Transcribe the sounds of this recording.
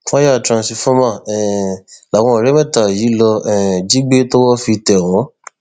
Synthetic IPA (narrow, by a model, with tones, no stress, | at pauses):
wa˦ja˦a˨tɾã˨si˧fɔ˦mã˦˨ɛ˨la˨w̃ɔ̃˧˨ɾɛ˨˦mɛ̃˦˨ta˨ji˨˦lɔ˧ɛ˨d͡ʒi˨˦ɡ͡be˦to˦wɔ˦fi˧tɛ˨ɔ˨w̃ɔ̃˨˦